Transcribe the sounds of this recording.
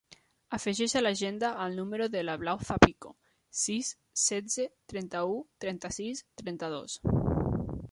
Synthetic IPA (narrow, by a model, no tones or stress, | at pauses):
afəʒɛʃalaʒend̪aːlnuməɾoðəlaβlawfapiko̰ | sisː | ɛd͡zet̪ɾɛnt̪aut̪ɾɛnt̪asist̪ɾɛnt̪aðo̰s